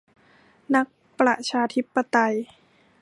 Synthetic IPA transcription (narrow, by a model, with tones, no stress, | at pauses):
na˦˥k̚ | pɾa˨˩t͡ɕʰaː˧t̪ʰi˦˥pːa˧t̪a˧j